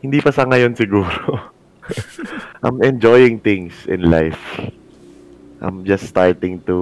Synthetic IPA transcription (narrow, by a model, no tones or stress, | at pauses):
hɪnd̪ipɐsɐŋɐjonsɪɡuːɾo | ʔa̰mɛ̃nd͡ʒojɪ̃ŋt̪ɪ̃ŋsɪ̰̃nla̰jf | ʔa̰jmd͡ʒɐsst̪aɹt̪ɪŋt̪u